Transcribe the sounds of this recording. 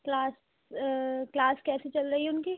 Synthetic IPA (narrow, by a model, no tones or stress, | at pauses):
klaːs | klaːskɛːset͡ʃɐlɾɐɦieʊnki